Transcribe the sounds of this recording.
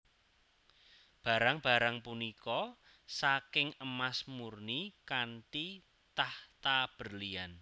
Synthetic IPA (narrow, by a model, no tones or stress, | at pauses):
b̥a̤ɾaŋb̥a̤ɾaŋpunikɔ | sakɪŋəmasmurnikant̪i | t̪aht̪ab̥ə̤rlian